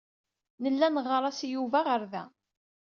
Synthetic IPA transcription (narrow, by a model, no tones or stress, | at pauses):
nəlːænʁəɾˤɑsjuvæʁəɾðæ̰